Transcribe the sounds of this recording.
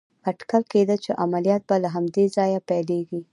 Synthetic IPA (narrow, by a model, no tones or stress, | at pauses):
aʈkalked̪ət͡ʃeʔamalijɑt̪̚balaɦamd̪ezɑjapajleɡi